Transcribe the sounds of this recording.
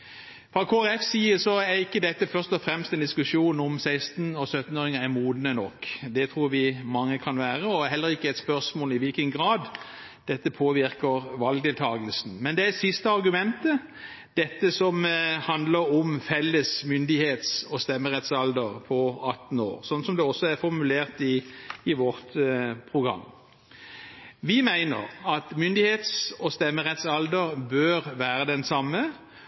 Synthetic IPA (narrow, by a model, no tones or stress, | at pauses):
fɾɑkʰoːæɾɛfsiːəsɔæɾɪkːəd̪ɛt̪ːəfœʁst̪ɔfɾɛmst̪ɛnd̪ɪskʉʂuːnɔmsæɪst̪n̩ɔsœt̪ːn̩oːɾɪŋəæɾmuːd̪nənɔkːd̪ɛt̪ʰɾuːɾʋɪmɑŋːəkʰɑnʋæːɾəɔæɾɦɛlːəɾɪkːəɛɪt̪spœʁsmoːlɪʋɪlkənɡɾɑːd̪ | d̪̥ɛt̪ːəpʰoːʋɪɾkəɾʋɑlɡ̚t̪ɪlt̪ʰɑːɡəlsn̩mɛnd̪ɛæsɪst̪əɑɾɡʉmɛnt̪ə | d̪̥ɛt̪ːəsɔmhɑnd̪ləɾɔmfɛlːəsmʏnd̪ɪheːt̪sɔst̪ɛmːəʁɛt̪sɑld̪əʁpʰɔɑt̪ːn̩o̰ːʁsɔnsɔmd̪ɛɔsːɔæɾfɔʁmʉleːʁt̪ɪːʋɔʁt̪pʰʁʊɡʁɑ̰m | ʋɪmæɪnə̰ʁɑt̪mʏnd̪ɪheːt̪sɔst̪ɛmːəʁɛt̪sɑld̪əɾbøːɾʋæːɾəd̪ɛnsɑmːə